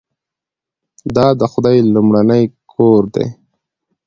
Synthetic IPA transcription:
d̪ɑd̪əxʊd̪ɑjlumɽanəjkʰoːɾd̪ḛ

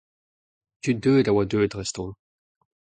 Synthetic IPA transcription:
tydøːdawad̪øːdʁɛst̪ɔ̃

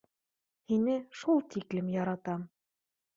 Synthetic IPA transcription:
hinɘʃulˠt̪iklɘmjɑɾɑt̪ɑm

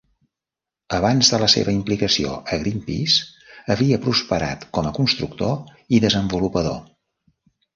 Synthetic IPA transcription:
əβanzðələsḛβəimplikəsio̰əɣɾimpḭsəβiəpɾuspəɾa̰t̪kɔməkunst̪ɾuk̚t̪o | iðəzəmbulupəðo̰

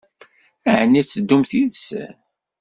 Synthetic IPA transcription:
æʕənːit͡sːəd̪ːumθiðs

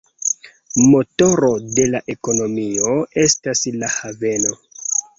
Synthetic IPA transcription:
mo̞to̞ɾo̞de̞laʔe̞ko̞no̞mio̞e̞staslahave̞no̞

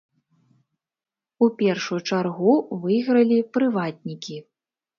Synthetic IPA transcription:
upʲɛrʂujut͡ʂarɣuvɨjɣɾɐlʲipɾɨvad̪̚ʲnʲikʲi

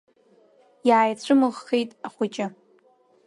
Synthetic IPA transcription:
jaːjt͡ɕʷʰɨmɨʁːejtʼaχʷʊt͡ʃʼɪ

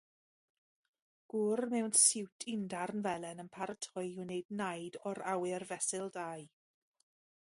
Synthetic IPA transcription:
ɡ̥ʊrmɛwnsɪwtʰɪndarnvɛlɛnənpʰaɾətʰɔjunejdnajdɔɾawɪrvɛsɪlˠdaj

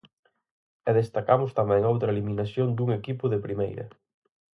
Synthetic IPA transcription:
ɛðest̪akamʊst̪amɛŋowt̪ɾɐeliminasjond̪uŋekipʊðepɾimḛjɾɐ̰

